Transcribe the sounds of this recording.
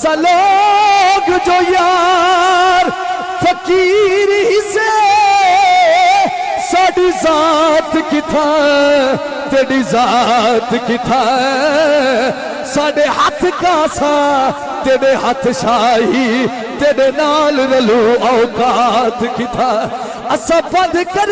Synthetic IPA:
sɐlo | ɡd͡ʒoːjaː | ɾ | fʰɐkiːɾɦɪse | saːɖizaːt̪kɪt̪ʰa | t̪eːɽizat̪kɪt̪ʰa | saːɖeɦɐt̪ʰkasã | t̪eːɖeɦɐt̪ʰʃaːɦi | t̪eːɖenaːlɾɐluaokat̪kɪt̪ʰa | ɐsãpɐ̃nd̪kɐɾ

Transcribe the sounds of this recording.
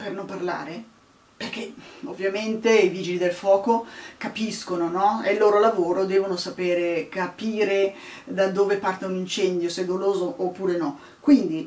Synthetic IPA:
pernomparla̰ːɾe | perk̟eovːjament̪eiviːd͡ʒilid̪elfwɔːkokapiskononɔelːoːɾolavoːɾod̪ɛːvonosapeːɾekapiːɾed̪ad̪oːvepart̪aunint͡ʃɛnd̪josed̪oloːzoʔːpːuːɾenɔ | kwind̪i

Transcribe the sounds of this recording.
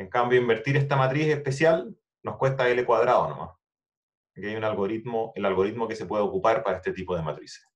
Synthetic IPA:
eŋkambjoimbe̞ɾt̪iɾest̪amat̪ɾisehpe̞sjal | no̞hkwe̞nt̪aelekwaðɾaðono̰mʔa̰s | keajunalɣoɾit̪moelalɣo̞ɾit̪̚mo̞kesepwe̞ðeokupaɾpaɾaeht̪et̪ipoðema̰t̪ɾise̥s

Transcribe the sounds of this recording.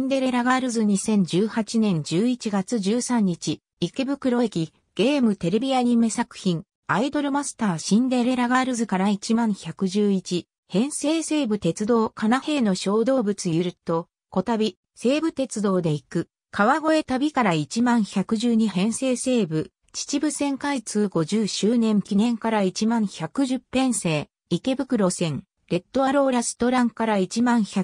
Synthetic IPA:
nd̪e̞ɾe̞ɾaɡaɾɯ̟zɨɲ̟isẽ̞ɲ̟d͡ʑɨːhat͡ɕinẽ̞ɲ̟d͡ʑɨːit͡ɕiɡat͡sɨʑɨːsãɲ̟ːit͡ɕi | ikebɯ̟kɯ̟ɾo̞ekʲi | ɡ̥e̞ːmɯ̟t̪e̞ɾe̞bʲiaɲ̟imɯsakɯ̟̥çĩŋ | aid̪o̞ɾɯ̟masɨ̥t̪aːɕĩnd̪e̞ɾe̞ɾaɡaɾɯ̟zɨkaɾait͡ɕimãɰ̃çakɯ̟ʑɨːit͡ɕi | hẽ̞ɰ̃se̞ːse̞ːbɯ̟t̪e̞t͡sɨd̪o̞ːkʰanahe̞ːno̞ɕo̞ːd̪o̞ːbɯ̟t͡sɨjɯ̟ɾɯ̟t̪o̞ | ko̞t̪abʲi | se̞ːbɯ̟t̪e̞t͡sɨd̪o̞ːd̪e̞ikɯ̟ | kaβaɡo̞e̞t̪abʲikaɾait͡ɕimãɰ̃çakɯ̟ʑɨːɲ̟ihẽ̞ɰ̃se̞ːse̞ːbɯ̟ | t͡ɕi̥t͡ɕibɯ̟sẽ̞ŋkait͡sɨːɡo̞ʑɨːɕɨːnẽ̞ŋkʲinẽ̞ŋkaɾait͡ɕimãɰ̃çakɯ̟ʑɨpːẽ̞ɰ̃se̞ː | ike̞bɯ̟kɯ̟ɾo̞sẽ̞ŋ | ɾe̞t̪ːo̞aɾo̞ːɾasɨ̥t̪o̞ɾãŋkaɾait͡ɕimãɰ̃ça

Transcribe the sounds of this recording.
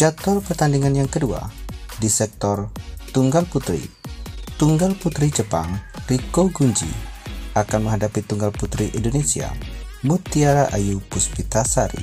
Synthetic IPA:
d͡ʒak̚t̪ɔrpərt̪andiŋanjaŋkədua̰disɛk̚t̪ɔrt̪uŋɡalput̪ɾḭt̪uŋɡalput̪ɾid͡ʒəpa̰ŋrikoɡuɲd͡ʒḭakanməŋɦadapit̪uŋɡalput̪ɾiʔindonesia̰mut̪iaɾaʔajupuspit̪asaɾḭ

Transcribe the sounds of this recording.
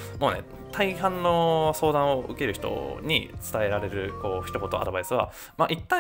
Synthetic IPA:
mo̞ːne̞̰ | t̪ʰaiɦãnːo̞so̞ːd̪ãɰ̃o̞ɯ̟ke̞ɾɯ̟çi̥t̪o̰ɲ̟it͡sɨ̥t̪ae̞ɾaɾe̞ɾɯ̟ko̞ːçi̥t̪o̞ko̞t̪o̞a̰d̪o̞aisɨβa | maʔit̪ːã

